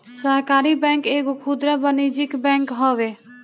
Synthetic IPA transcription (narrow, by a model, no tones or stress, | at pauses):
səɾkaːɾibɛ̃ːŋkeːkkʰuːd̪ɾabəniːd͡ʒɪkbɛ̃ːŋkɦoːʋeː